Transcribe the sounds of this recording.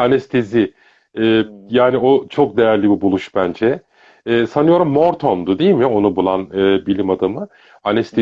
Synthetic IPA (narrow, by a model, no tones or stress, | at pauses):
anɛst̪ʰezɪ | ɛːjaːnio̞t͡ʃʰo̞k̚d̪e̞jæɾlʲibibulˠuʃbænd͡ʒɛː | sanɯjo̞ɾumːo̞ɾt̪ʰond̪ud̪ejilʲmo̞nubulˠanɯːbilʲimad̪amɯ | anɛst̪ʰe